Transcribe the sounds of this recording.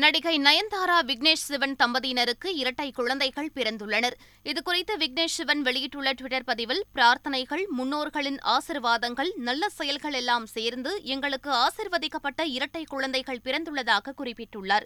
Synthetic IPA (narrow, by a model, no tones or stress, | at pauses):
nɐɽɪɣɐɪnɐjɐnd̪aːɾaːʋɪɡneːʂsɪʋɐnt̪ɐmbɐðiːnɐɾɯkːɯɪɾɐʈːɐɪkːʊɻɐnd̪ɐɪɣɐɭpɪɾɐnd̪ɯɭːɐnɐɾ | ɪðɯkʊrɐɪt̪ːɐʋɪɡ̚neːʂɪʋɐnʋɛɭɪjɪʈːɯɭːɐʈʋɪʈːɐɾpɐðɪʋɪlpɪɾaːɾt̪ɐnɐɪɣɐɭmʊnːoːɾɣɐɭɪnaːsɪɾʋaːðɐŋɡɐɭnɐlːɐsɛjɐlɣɐɭɛlːaːmseːɾnd̪ɯʔɛŋɡɐɭɯkːɯaːsiːɾʋɐðɪkːɐpːɐʈːɐɪɾɐʈːɐɪkʊɻɐnd̪ɐɪɣɐɭpɪɾɐnd̪ɯɭːɐðaːɣɐkːʊrɪpːɪʈːɯɭːaɾ